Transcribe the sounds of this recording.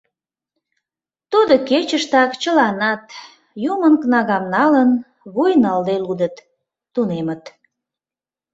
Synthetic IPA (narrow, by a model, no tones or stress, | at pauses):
t̪ud̪oket͡ɕəʃt̪ɑkt͡ɕəlɑnɑt̪ | jumənknɑɣɑmnɑlən | βujnɑld̪elud̪ət̪ː | unemət̪